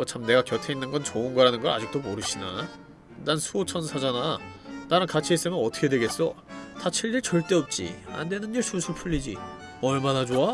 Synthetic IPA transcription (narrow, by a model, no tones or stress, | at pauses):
ʌt͡ɕʰamne̞ɡakjʌtʰeinːɯnɡʌnt͡ɕoɯnɡʌɾanɯnɡʌɾa̰d͡ʑik̚t͈omoɾɯɕʰina | dansʰuot͡ɕʰʌnsʰad͡ʑananaɾɯnkat͡ɕʰies͈ɯmjʌnʌt͈ʰʌ̥kʰe̞dwe̞ɡe̞s͈ʌtat͡ɕʰiɭːiɭt͡ɕʌɭt͈e̞ʌp̚t͡ɕ͈ḭa̰ndwe̞nɯniɭsusʰupʰuʎːid͡ʑi | ʌɭmanad͡ʑoa